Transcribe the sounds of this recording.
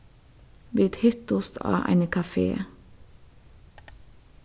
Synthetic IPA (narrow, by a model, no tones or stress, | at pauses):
ʋiːt̪hʏt̪ʊst̪ʰɑ̰ːʔæ̰ɪnəkʰɑfḛː